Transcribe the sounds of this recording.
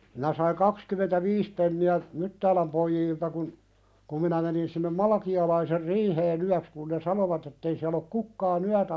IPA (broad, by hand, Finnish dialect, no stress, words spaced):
minæ sɑiŋ kɑkskymentæʋiːs penːiæ mytːæːlæm poijiːltɑ kun ku minæ menin sinːem mɑlɑkiɑlɑiser riːheːn yæks kun ne sɑnoʋɑt etːei siæl ok kukːɑːn yætæ